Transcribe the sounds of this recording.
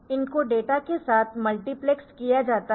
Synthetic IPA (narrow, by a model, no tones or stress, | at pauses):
ɪnkoɖeːʈakesaːt̪ʰmɐlʈiplekskijad͡ʒaːt̪a